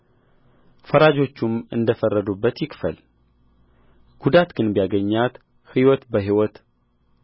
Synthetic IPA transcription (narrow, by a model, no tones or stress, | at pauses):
fəɾad͡ʒo̞t͡ʃːumɨ̰nd̪əfərːəd̪ubːət̪jɪkfəl | ɡ̥ud̪at̪ɡɨnbijaɡəɲːat̪ | hɨwɔt̪bəɦiwɔt̪